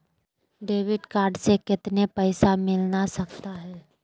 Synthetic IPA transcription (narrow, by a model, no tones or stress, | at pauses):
ɖeːʋɪɖkaːɾɖsekɪt̪nepəɪsamɪlnasɐkt̪aɦɛː